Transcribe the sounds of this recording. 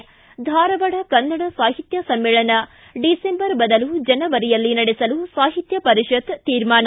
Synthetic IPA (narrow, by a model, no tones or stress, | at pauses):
d̪ʱaːɾɐʋɐɽɐkɐnːɐɽɐsaːɦit̪jɐsɐmːeːɭɐnɐ | ɖisembɐɾbɐd̪ɐlud͡ʒɐnɐʋɐɾijɐlːinɐɽesɐlusaːɦit̪jɐpɐɾiʃɐt̪t̪iːɾmaːnɐ